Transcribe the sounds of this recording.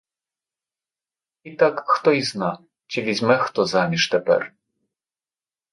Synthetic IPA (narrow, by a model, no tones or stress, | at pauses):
it̪akxt̪ɔizna | t͡ʃɪvʲizʲmɛxt̪ɔzamʲiʂt̪ɛpɛ̰ɾ